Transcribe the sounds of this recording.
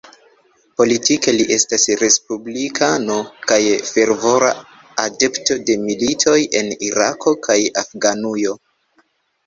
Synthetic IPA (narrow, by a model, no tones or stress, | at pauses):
po̞litike̞liʔe̞stasɾe̞spublikʰano̞kajfe̞ɾvo̞ɾa̰ | ade̞pto̞de̞militʰo̞je̞niɾakʰo̞kʰajafɡanujo̞